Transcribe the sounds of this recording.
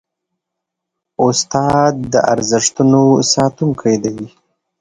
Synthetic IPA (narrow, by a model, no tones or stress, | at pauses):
ʊst̪ɑd̪̚ːəʔa̰ɾzɪʂt̪unosɑt̪uŋkʰajd̪awi